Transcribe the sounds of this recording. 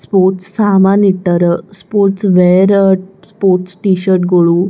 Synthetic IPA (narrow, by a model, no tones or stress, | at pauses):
spoɾʈssamaniʈ̪ːəɾəspoɾʈsʋeɾspoɾʈsʈiɕəɾʈ̚ɡoɭu